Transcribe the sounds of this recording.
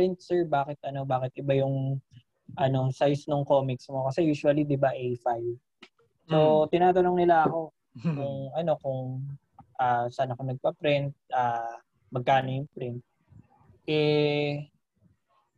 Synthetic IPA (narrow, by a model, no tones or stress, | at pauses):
pɾɪnt̪̚sɛɹbaːkɪt̪̚ʔɐno̞baːkɪt̪̚ʔɪbajʊŋ | ʔɐno̞sajsnʊŋkoːmɪksmo̞kɐsɛjuːsʊɐlid̪ɪbaʔɛjfaj | sot̪ɪnaːt̪ɐnoŋnɪlaʔɐko̞ | kʊŋɐno̞kʊŋ | ʔaːsaːnɐkonɐɡ̚pɐpɾɪnt̪̚ʔaː | mɐɡ̚kaːnojʊŋpɾɪnt̪̚ | ʔɛ